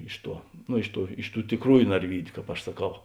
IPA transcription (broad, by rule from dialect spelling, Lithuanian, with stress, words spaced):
ˈɪʃ ˌtuɔ noː ˈɪʃ ˌtuː ˈɪʃ ˌtuː tʲɪˈkruːjʊ nɐrʲˈʋʲiːdʲʊ kɑːp ɐʃ sɐˈkɐʊ